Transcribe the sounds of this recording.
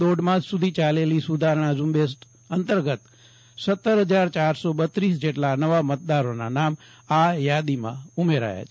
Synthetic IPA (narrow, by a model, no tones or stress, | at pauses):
d̪oɖmãd͡ʒsud̪ʱit͡ʃalelisud̪ʱaɾəɳ̃azumbesʈ | ənt̪əɾɡət̪ | sət̪ːəɾɦəd͡ʒaɾt͡ʃaɾsoɓət̪ɾisd͡ʒeʈlanəʋamət̪̚d̪aɾonanam | ajad̪imã̰umeɾa̰ja̰t͡ʃʰ